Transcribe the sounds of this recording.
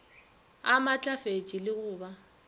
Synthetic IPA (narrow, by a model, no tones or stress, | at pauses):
amat͡ɬʼafet͡ʃʼilɪɣʊːba